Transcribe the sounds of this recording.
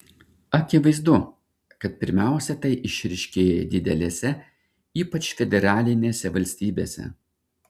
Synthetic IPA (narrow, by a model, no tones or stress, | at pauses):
ɐkʲɪʋɐɪzd̪ʊ | kɐt̪̚pʲɪɾʲmʲæˑʊsʲɛt̪ɐɪʔɪʃʲɾʲɪʃʲkʲeːjɛd̪ʲɪd̪ʲɛlʲeːsʲɛ | iːpɐt͡ʃfʲɛd̪ʲɛɾɑːlʲɪnʲeːsʲɛʋɐlʲsʲt̪ʲiːbʲeːsʲɛ̰